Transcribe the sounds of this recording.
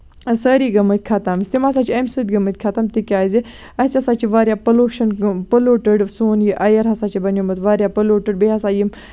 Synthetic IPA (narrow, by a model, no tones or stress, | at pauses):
səːɾiɡɐmət̪̚ʲkʰat̪amt̪imas̬aːt͡ʃʰiɐmsɨt̪ʲɡɐmət̪̚ʲkʰat̪amt̪ikʲaːzi | ɐsʲɐsaːt͡ʃʰiʋaːɾʲjaːpɐloːʃɐnpɐloːʈəɖsoːnjiʔɐjɐɾɦɐsaːt͡ʃʰibɐnjomɐt̪ʋaːɾjaːpɐloːʈəɖ̚beɦɐsaːjim